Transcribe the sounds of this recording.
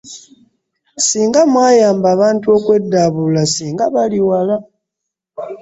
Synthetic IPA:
siːŋɡamwaːjaːmbaːβaːntuo̞ːkwe̞dːaβulasiːŋɡaβaliwala

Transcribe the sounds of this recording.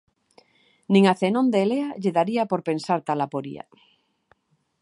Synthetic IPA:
nĩŋaθenõnd̪eːleaʎeðaɾiapoɾpensaɾt̪alapoɾḭa̰

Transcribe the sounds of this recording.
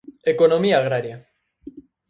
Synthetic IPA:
ekonomiaːɣ̞ɾaɾja

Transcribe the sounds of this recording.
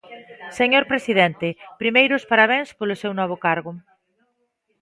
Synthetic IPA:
seɲoɾpɾesiðɛnt̪epɾimejɾospaɾaβ̞ẽŋspolosewnɔβ̞okaɾɣʊ

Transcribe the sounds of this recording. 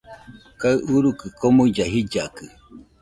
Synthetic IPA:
kaɯuɾukɨkomũd͡ʒaɦid͡ʒakɨ

